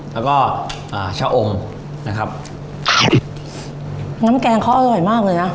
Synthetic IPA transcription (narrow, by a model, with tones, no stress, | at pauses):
lɛː˦˥wkɔː˥˩ʔaː˨˩t͡ɕʰaː˦˥˩wʔo˧ŋ | na˦˥kʰɾa˦˥p̚ | naː˦˥mkɛː˧ŋkʰɔː˦˥ʔa˧˩˧lɔ˨˩jmaː˥˩k̚lɤː˧jna˦˥